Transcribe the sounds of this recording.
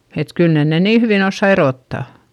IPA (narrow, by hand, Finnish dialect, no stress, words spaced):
et kyl nen ne niː hyʋiˑn osːɑ eroˑtːɑ